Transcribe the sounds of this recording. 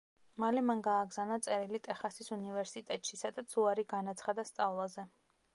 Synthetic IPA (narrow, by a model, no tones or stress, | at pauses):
malɛmaŋɡaːɡzanat̪sʼɛɾilit̪ʼɛχasisunivɛɾsit̪ʼɛt̪ʼʃisad̪at̪suaɾiɡanat̪sʰχad̪ast̪sʼavlˠazɛ